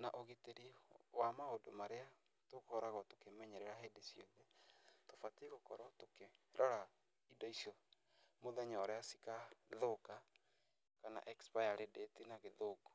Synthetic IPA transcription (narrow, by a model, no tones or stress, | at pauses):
naʔoɣeteɾiwamaodomaɾea | tokɔɾaɣɔtokemɛɲɛɾɛɾaɦedesjoðetofatiɣokɔɾɔtokeɾʔɔɾa | idɔisjɔ | moðɛɲɔɾɛasi̥kaðoka | kana̰ʔɛkspajaɾedetinaɣeðoɡo̥